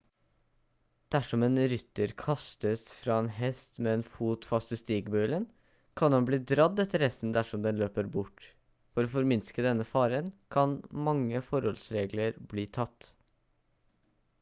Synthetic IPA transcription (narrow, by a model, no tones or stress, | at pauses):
d̪̥æʂɔmeːnɾʏt̪ːəɾkʰɑst̪əsfɾɑːeːnɦɛst̪meeːnfuːt̪fɑst̪ɪst̪iːɡbʉːlən | kʰɑnhɑnbliːd̪ɾɑd̪ːɛt̪ʰːəɾhɛst̪n̩d̪æʂɔmd̪ɛnløːpəɾbʊʈː | fɔɾoːfɔɾmɪnskəd̪ɛnːəfɑːɾənkʰɑnmɑŋːəfɔɾhɔlsɾeːɡləɾbliːt̪ʰɑt̪ː